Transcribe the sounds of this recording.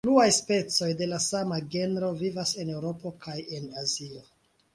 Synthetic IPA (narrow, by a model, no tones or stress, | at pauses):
pluajspe̞t͡so̞jde̞lasamaɡe̞nɾo̞vivase̞ne̞wɾo̞po̞kʰaje̞nazio